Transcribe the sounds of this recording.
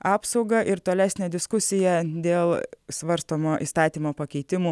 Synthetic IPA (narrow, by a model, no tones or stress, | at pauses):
ɑːpsɒʊɡɐʔɪɾt̪oːlʲæːsʲnʲɛd̪ʲɪskʊsʲɪjɛd̪ʲeːlˠsʋɐɾst̪oːmoːʔḭːst̪ɑːt̪ʲiːmoːpɐkʲɛɪt̪ʲɪmuː